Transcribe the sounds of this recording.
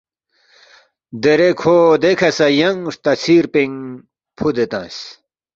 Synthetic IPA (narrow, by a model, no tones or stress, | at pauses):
d̪eɾekʰoːd̪ekʰɐsɐjɐŋʂt̪ɐt͡sʰiːɾpiŋ | pʰud̪et̪ã̰ːs